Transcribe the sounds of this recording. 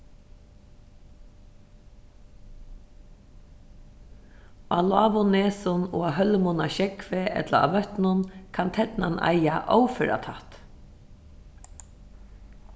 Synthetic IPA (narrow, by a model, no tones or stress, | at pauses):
aːlaːʋʊneːsʊnoːaɦœlmʊnaʃɛkfeʔɛ̰t̪laa̰ʋœht̪nʊnkʰant̪ʰɛt̪nanʔa̰jjaʔɔ̰wføːɹa̰t̪ʰat̪